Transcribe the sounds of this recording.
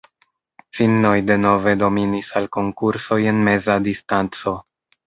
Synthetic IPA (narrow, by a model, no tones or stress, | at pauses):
filno̞jde̞no̞ve̞do̞minisalko̞ŋkuɾso̞je̞nme̞zadistant͡so̞